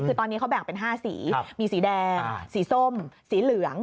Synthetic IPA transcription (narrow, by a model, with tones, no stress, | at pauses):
kʰɯː˧t̪ɔː˧nːiː˦˥kʰa˦˥wbɛ˨˩ŋpe˧nɦaː˥˩sḭː˩˦miː˧siː˨˩˦dɛː˧siː˩˦so˥˩msiː˩˦lɯ˨˩˦ɐŋ